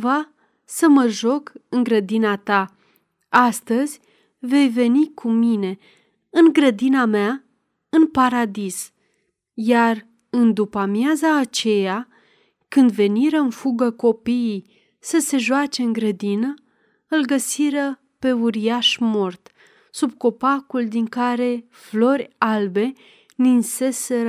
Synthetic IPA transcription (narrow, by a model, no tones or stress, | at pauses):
va | səməʒo̞kɨŋɡɾəd̪inat̪a | ast̪əzʲ | ve̞jve̞nikʰumine̞ | ɨŋɡɾəd̪inamea | ɨnpaɾad̪is | jar | ɨnd̪upamjazaːt͡ʃe̞ja | kɨnd̪ve̞niɾəɨnfuɡəko̞pijij | səse̞ʒoat͡ʃe̞ɨŋɡɾəd̪inə | ɨlɡəsiɾə | pe̞uɾijaʃmo̞rt̪ | sub̚ko̞pakuld̪iŋkaɾe̞ | flo̞rʲalbe̞ | ninse̞se̞ɾə